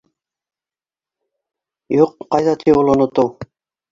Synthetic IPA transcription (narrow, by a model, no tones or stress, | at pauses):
juqːɑjðɑt̪ʰipolˠŏnŏt̪ow